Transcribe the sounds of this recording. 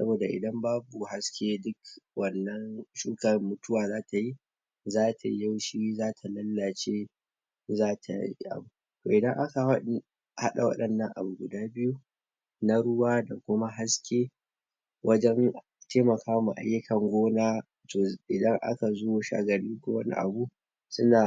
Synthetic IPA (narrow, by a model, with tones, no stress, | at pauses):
sɐ̰˦boː˨da˨ʔɪ̰˨dɐ˦mbaː˦bu˨ha˦skʲeː˦dʊ˦kwɐ˨nːɐ˦nʃuː˦kɐ˨mːʊ˦tʊ˦waː˨zaː˦tʰa˨ji˦ | zaː˦tʰa̰˨ja˦wʃi˦zaː˦tʰa˨lɐ˦lːa˨t͡ʃeː˦ | zaː˦tʰa̰˨jjḭ˦ʔa̰˨bu˨ | toː˨ʔɪ˨dɐ˦ŋʔa˦ka˨˦ | ha˦ɗa˨wɐ̰˦ɗɐ˨nːɐ˨ŋʔa̰˨bu˨ɡʊ˨daː˦bɪ˦ju˦ | na˦ɽʊ˦waː˦da˨kʷʊ˦ma˦ɦa˦skʲeː˦ | wʔɐ˦d͡ʒɛ˦ŋ | teː˦mɐ˨kʰaː˦mu˨ʔa̰˨jːa˦kɐ˨ŋɡʷoː˦naː˦ | to˨ʔɪ˨dɐ˦ŋʔa̰˦ka˨zoː˦ʃa̰ː˦ɡɐ˨ɽi˦ŋkʷoː˦wɐ˦nḭ˦ʔa̰˨bu˦ | sʊ˦naː˨